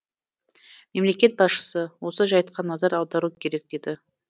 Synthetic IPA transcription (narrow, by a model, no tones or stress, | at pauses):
me̞mle̞kʲe̞t̪̚bɑsʃə̥səwo̞səʒɑjt̪̚qʰɑnɑzɑɾɑwˠd̪ɑɾukʲʰe̞ɾe̞k̚d̪̥e̞d̪ɪ